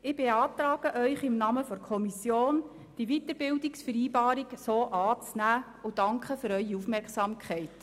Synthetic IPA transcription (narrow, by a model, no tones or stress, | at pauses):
ɪb̥eɑːt̪ɾɑːɡ̥əʔœʏχɪmnɑːməfɔɾkʰɔmisjoːn | d̥iʋitəɾbɪldiksfəɾiːbɑːɾiksoːʔɑːt͡snæː | ʊd̥ɑŋkχəfʏɾœʏiufmɛɾksɑmkʰχɛɪt